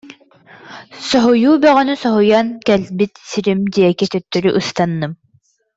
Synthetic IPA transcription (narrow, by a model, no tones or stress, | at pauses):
sɔɦujuːbœʁœnysɔɦujankɛlbit̪siɾimd̪iɛkit̪œt̪ːœɾyʔɯst̪anːɯm